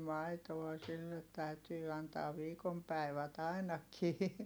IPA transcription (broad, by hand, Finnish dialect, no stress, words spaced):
mɑitoɑ silːet tæytyː ɑntɑːʋ̆ ʋiːkom pæi̯ʋæt ɑinɑkiː